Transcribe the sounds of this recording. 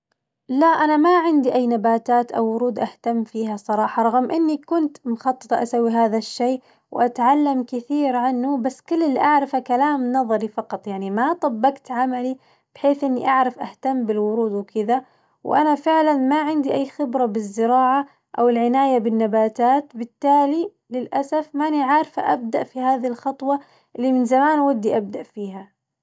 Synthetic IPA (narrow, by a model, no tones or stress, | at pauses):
laʔanamaʕɪnd̪iʔajːnabaːt̪aːt̪ʔawːʊɾuːd̪ʔaht̪amːfiːɦasˤɑɾˤɑːħɑɾˤɑɣmʔɪnːikʊnt̪mʊxɑt̪ˤːɨ̥t̪ˤɑʔasawːiɦaːðaʃːeː | wʔat̪ʕalːamkɪθiːɾʕanːubasːkʊlːɪlːiʔaʕɾɪfakalaːmnɑðˤɑɾifɑqɑt̪ˤjaʕnimat̪ˤɑbːɑɡt̪ʕamali | b̥ɪħeːθʔɪnːiʔaʕɾɪfʔaht̪amːbɪlwʊɾuːd̪wkɪða | wʔanafɪʕlanmaʕɪnd̪iʔajːxɪbɾabɪzːɪɾɑːʕa | ʔawɪlʕɪnaːjabɪnːabaːt̪aːt̪bɪt̪ːaːli | lɪlʔasafmaʔniʕaɾfa̰ʔabd̪aʔfihaːðilxɑt̪ˤwɑ | ʔɪlːimɪnzamaːnwad̪ːiʔab̚d̪aʔfiːɦa